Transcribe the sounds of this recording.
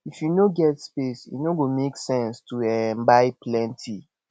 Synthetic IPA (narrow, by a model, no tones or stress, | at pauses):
ifjunoɡɛtspesḭnoɡomeksɛ̃nstuɛmbaɪplɛ̃ntʰi